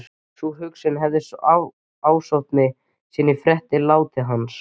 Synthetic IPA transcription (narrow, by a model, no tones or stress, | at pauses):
suɦʏksɪnɦɛvðɪsa | aːwsɔwht̪nɪ | siːnːɪfɾɛht̪ɪlaːwt̪ɪɦans